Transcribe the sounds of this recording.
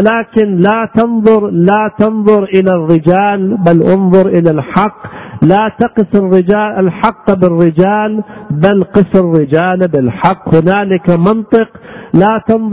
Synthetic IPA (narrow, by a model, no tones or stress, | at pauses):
laːkɪnlat̪ɑnðˤʊɾlaːt̪ɑnðˤʊɾʔɪlarːɪd͡ʒaːlbalʔʊnðˤʊɾʔɪlalħɑqːlaːt̪ɑqɨsɪrːɪd͡ʒaːlʔalħɑqːbɪrːɪd͡ʒaːlbalqɑsɪrːɪd͡ʒaːlbɪlħɑqːhʊnaːlɪkamɑnt̪ˤɨqlaːt̪ɑnð